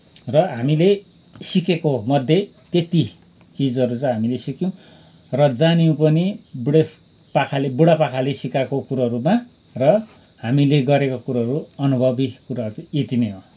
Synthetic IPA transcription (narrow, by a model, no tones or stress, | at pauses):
rʌɦamile | sikekomʌd̪ʱːjet̪et̪i | t͡sid͡zʌɾut͡sʌ̃jɦamilesikiw̃ | rʌd͡zaniũpʌnibuɽes | pakʰalebuɽapakʰalesikakokuɾaɦʌɾuma | rʌ | hamileɡʌɾekokuɾaɦʌɾuʌnubʱʌbikuɾaɾut͡sʌ̃et̪ineɦo